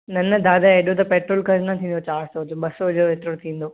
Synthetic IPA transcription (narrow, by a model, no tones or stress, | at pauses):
nɐnəd̪aːd̪aɦeɗot̪ɐpeːʈɾoːlkɐznɐt̪ʰĩːn̆d̪ot͡ɕaːɾsod͡ʑoɓɐsod͡ʑoeːt̪ɾoɽt̪ʰĩːn̆d̪oː